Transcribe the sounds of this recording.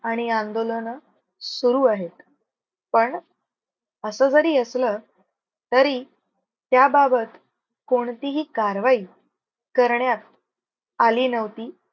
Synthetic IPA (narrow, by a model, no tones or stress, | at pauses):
aɽ̃iãnd̪olənə | suɾuːaɦet̪ | pəɳ | əsəːd͡zəɾiːəslə | t̪əɾiː | t̪jababət̪ | koɳt̪iɦiːkaɾʋai | kəɾɳjat̪̚ | aliːnəʋt̪iː